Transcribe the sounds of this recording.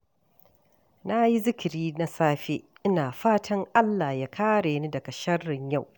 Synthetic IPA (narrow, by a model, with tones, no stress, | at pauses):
na˦ji˦zɪ˦kʲɪ˨ɾiː˦na˦saː˦ɸe˦ | ʔɪ˦naː˨ɸaː˦tʰɐ˦ŋʔa˦lːaː˨ja˦kʰaː˦ɽeː˨ni˦dɐ˨ɡɐ˨ʃɐ˦rːɪ˨ɲja˦˨w